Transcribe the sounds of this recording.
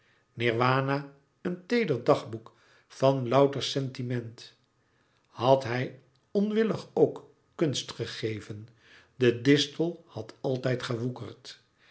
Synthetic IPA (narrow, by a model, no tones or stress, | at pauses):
nɪɹʋaːna | əntejdəɹdɑχbuk | fɑnlɑwtəɹsɛntimɛnt | hɑtɦɛj | ɔnʋɪləχowkː | ɵnstχəχejvən | dədɪstəlˠhɑtʰɑlˠtɛjtχəʋukəɹt